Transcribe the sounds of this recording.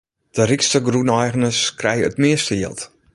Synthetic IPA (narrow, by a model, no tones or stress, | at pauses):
d̥ərikstəɡrunɛjɣənəskrɛjəətmɪəstəjɪ̰əlˠt